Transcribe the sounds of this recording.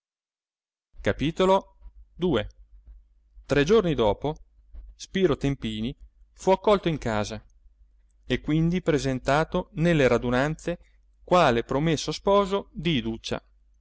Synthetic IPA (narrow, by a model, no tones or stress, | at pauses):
kapiːt̪olo | d̪uːe | t̪ɾɛd͡ʒornid̪ɔːpo | spiːɾot̪empiːni | fuakːɔlt̪oiŋkaːza | ekːwind̪ipɾezent̪aːt̪onelːeɾad̪unant̪se | kwaːlepɾomesːospɔːzod̪iːd̪ut͡ʃːa̰